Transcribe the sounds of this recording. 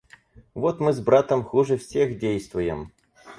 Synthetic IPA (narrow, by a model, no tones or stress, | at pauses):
vot̪mɨzbɾat̪əmxuʐɨfsʲexdʲejst̪vʊjɪ̰m